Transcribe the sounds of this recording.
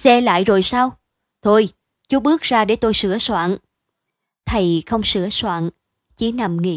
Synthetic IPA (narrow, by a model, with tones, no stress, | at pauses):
sɛ˧la̰ː˧˨jzo˨˩jsaː˧w | t̪ʰo˧j | t͡ɕu˨˦ɓɨ˦˥ək̚zaː˧ɗe˧˩˦t̪o˧jsɨ˧˩əswa̰ː˧˨n | t̪ʰə˨˩jxə˧wŋ͡msɨ˧˥əswa̰ː˧˨n | t͡ɕi˧˦na˨˩mŋḭ˧˥